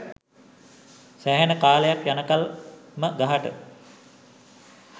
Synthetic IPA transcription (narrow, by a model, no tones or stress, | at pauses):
sæɦænəkaːləjakjanəkalməɡaɦaʈə̰